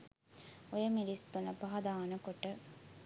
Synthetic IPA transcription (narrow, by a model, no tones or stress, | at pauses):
ojəmilist̪unəpɐɦɐd̪aːnəkoʈə